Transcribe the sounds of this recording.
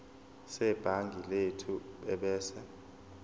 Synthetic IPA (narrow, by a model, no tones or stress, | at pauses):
sɛb̥ʱaŋɡʱiletʰuɓɛɓɛːsɛ